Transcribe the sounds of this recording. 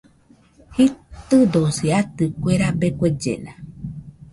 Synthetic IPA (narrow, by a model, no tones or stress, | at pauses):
hit̪ɨd̪osiat̪ɨkʷeɾabekʷed͡ʒḛna